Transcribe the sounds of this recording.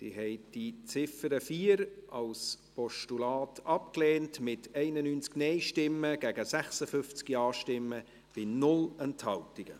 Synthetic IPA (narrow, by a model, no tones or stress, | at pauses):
d̥ḭɦɛɪd̥it͡sɪfəɾəfiːəɾɑlspɔʃtulɑːtʰɑp̚kleːntmɪtʰɛɪnənyːnt͡sknɛɪʃtɪmːəɡ̥ɛɡəsæχsəfʏft͡skiɑːʃtɪmːə | b̥ɪnʊlɛnthɑltiɡə̰